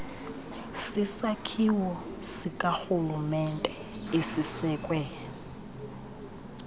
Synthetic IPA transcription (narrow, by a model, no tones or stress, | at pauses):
sɪsakʰiwɔsɪkʼaxulumɛntʼɛ | ɪsɪsɛkʼwɛ